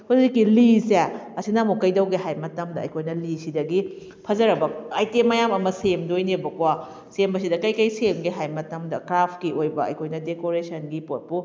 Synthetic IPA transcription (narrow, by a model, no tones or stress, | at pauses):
husikːiliseɐsinamokɐjdɐwɡeɦajmɐtɐmdɐɐ̰jkʰojnɐlisidɐɡi | pʰɐzɐɾɐbɐajtemajamɐmɐsemdojnebɐkwa | sembɐs̬idɐkɐjkɐjsemɡeɦajmɐtɐmdɐkɾapʰkiojbɐɐ̰jkʰojnɐdekoɾesɐnɡipot̚pu